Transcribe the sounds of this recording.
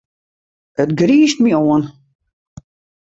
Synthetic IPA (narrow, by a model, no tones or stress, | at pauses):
ətɡriːst̚mioən